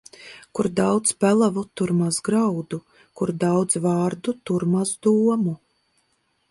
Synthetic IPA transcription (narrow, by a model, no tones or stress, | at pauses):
kuɾd̪awd̪zbælˠavut̪uɾmasɡɾawd̪u | kuɾd̪awd̪zvaːɾd̪ut̪uɾmazd̪uɔmu